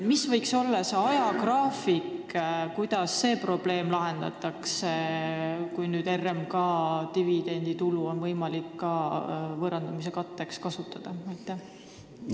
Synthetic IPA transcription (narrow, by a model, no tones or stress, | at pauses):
misvɤjkso̞lːɑseɑjɑkrɑːfikkujd̪̥ɑsːe̞ːpro̞b̥le̞ːmlɑɦe̞nd̪̥ɑ̰t̪ːˑɑkse | kujnyːd̪e̞rːemkɑːt̪ivid̪̥e̞nʲd̪̥it̪uluo̞nvɤjmɑlikːɑːvɤɾɑnd̪̥umis̬e̞kɑt̪ːe̞kskɑsut̪ːˑɑd̪̥ɑɑjt̪ːˑæh